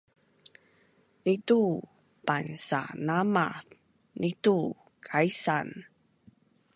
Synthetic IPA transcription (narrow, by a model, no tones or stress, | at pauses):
nitu | pansa̰nama̰θ | nʔitu | kʰaisan